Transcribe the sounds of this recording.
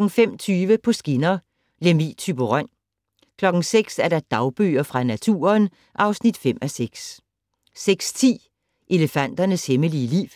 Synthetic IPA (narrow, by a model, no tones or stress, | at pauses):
ɡ̥ŋ̩fem̰t͡sʰyːʋəpʰɒ̽sɡ̥inɐ | le̝mḭːt͡sʰyb̥oʁɶn̰ | kʰlɒ̽ɡ̥ŋ̩seɡ̥sæɐɾ̥ɑd̥ɑ̈ʊb̥ø̰ːɐfʁɑ̈næt͡sʰṵːɐn | ʔɑ̈ʊsnid̥fem̰æseɡ̥s | seɡ̥st͡sʰḭː | ʔe̝ləfæn̰d̥ɐnəsheməliːlḭːʋ